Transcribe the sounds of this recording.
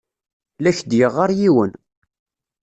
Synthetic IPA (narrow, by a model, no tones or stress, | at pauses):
læçd̪jəʁːaɾjiwən